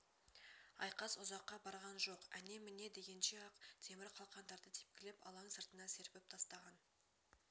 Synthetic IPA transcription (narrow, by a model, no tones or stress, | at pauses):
ɑ̰jqɑsʊzɑqːɑbɑɾʁɑnʒo̞qæne̞mɪne̞d̪e̞ɡʲe̞nʃeɑqt̪ʰe̞mɪɾqʰɑlˠqɑnd̪ɑɾd̪ət̪ʰe̥p̚kʲɪlɪpɑ̰lˠɑɴsəɾt̪ənɑse̞ɾbe̞p̚t̪ʰɑst̪ɑʁɑn